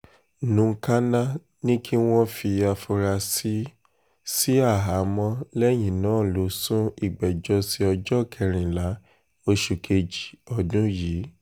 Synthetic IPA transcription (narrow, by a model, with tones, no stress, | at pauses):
nũ˧˦˧ka˦nã˦ | nĩ˦kʰi˦w̃ɔ̃˦fi˧a˧fo˧ɾa˧si˦ | si˦a˦˨ɦa˨˦mɔ̃˧˦lɛ˦j̃ĩ˨nãː˨˦˨lo˨˦sũ˦i˦˨ɡ͡bɛ˨d͡ʒɔ˧˦si˧˦ɔ˧d͡ʒɔ˦˨kʰɛ˧˨ɾ̃ĩ˨la˨˦ | o˧ʃu˨kʰe˧d͡ʒi̥˨ɔ˧dũ˦jiː˨˦